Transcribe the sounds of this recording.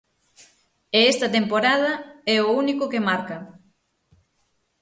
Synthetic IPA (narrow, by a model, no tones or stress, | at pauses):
eest̪ɐt̪empoɾað̞ɐɛounikʊkemaɾkɐ